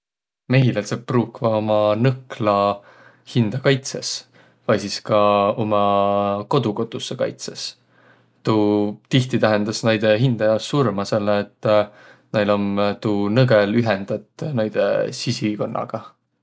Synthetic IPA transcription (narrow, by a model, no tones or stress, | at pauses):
me̞ɦilelsepːruːkːvɑo̞mɑnɤklɑ | hind̪̥ɑkɑjt̪se̞s | vɑjsiskɑo̞mɑko̞d̪̥uko̞t̪ːˑusːekɑ̰jt̪se̞s | t̪uːt̪iht̪it̪æɦend̪ɑsnɑjd̪̥eɦind̪̥ɑjɑsːurmɑse̞lːeːt̪ːˑ | nejlo̞mt̪uːnɤɡelyɦend̪̥ɑt̪ːˑnɑjd̪̥ḛsisiko̞nːɑ̰ɡ̥ɑ